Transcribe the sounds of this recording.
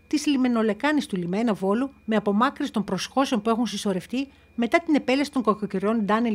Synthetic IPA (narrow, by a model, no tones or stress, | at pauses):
t̪islime̞no̞le̞kɐnist̪ulime̞nɐvo̞lume̞ɐpo̞mɐkɾist̪o̞mpɾo̞sxo̞seo̞npue̞xunsiso̞ɾe̞ft̪i | me̞t̪ɐt̪ine̞pe̞lesit̪oŋkoɐkoceɾo̞nd̪ɐne